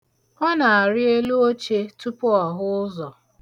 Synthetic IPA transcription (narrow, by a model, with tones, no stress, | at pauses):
ɔ˦na˨a˨ɾɪ˦e˦lu˦o˦t͡ʃe˦tu˦pʊ˦ɔ˨ɦʊ˦ʊ˦zɔ˨